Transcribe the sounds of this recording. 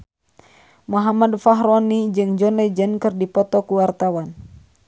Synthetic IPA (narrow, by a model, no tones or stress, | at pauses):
muɦamadfaɦɾɔnid͡ʒɨŋd͡ʒɔnlɛd͡ʒənkɨrdipɔt̪ɔkuwart̪awan